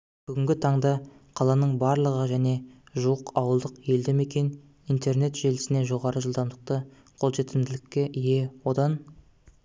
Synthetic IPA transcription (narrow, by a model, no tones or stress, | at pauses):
b̥ʏɡʲɪŋʲɡʲɪt̪ʰɑɴd̪ɑqʰɑlˠɑnəɴbɑɾlˠəʁəʒæne̞ | ʒuwəqʰɑwəlˠd̪əqje̞ld̪eme̞kʲe̞n | ijnt̪e̞rne̞t̪ʒe̞lɪsɪne̞ʒoʁɑɾəʒəlˠd̪ɑmd̪əq̚t̪ə | qʰo̞lˠʒe̞t̪ɪmd̪ɪlɪkʲːe̞ʔije̞wo̞d̪ɑn